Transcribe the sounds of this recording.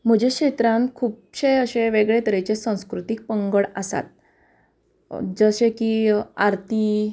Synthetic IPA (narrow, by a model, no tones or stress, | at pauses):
m̤əd͡ʑekɕet̪ɾãnkʰuːp̚ɕeəɕeʋeɡɭet̪əɾet͡ɕesãw̃skɾut̪ik̚pəŋɡəɭasa̰t̪̚ | d͡zəɕekiaɾt̪i